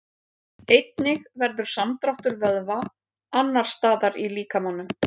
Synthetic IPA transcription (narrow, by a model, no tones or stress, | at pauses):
ejt̪nɪɣvɛɾðʏɾ̥samt̪ɾaht̪ʏɾvœðva | anːaɾ̥st̪aːðaɾiliːkamawnːʏm